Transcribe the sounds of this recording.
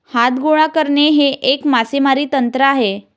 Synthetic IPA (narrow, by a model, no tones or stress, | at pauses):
hat̪ɡuɭ̃akəɾɳeɦeʔekmasemaɾiːt̪ənt̪ɾəaɦe